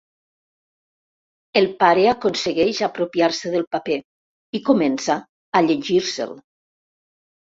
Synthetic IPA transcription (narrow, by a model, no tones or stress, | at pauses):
elˠpaɾeakonsəɣɛʃapɾopiaɾsəðəlˠpape | ikomensaː | ʎeʒiɾsə̰l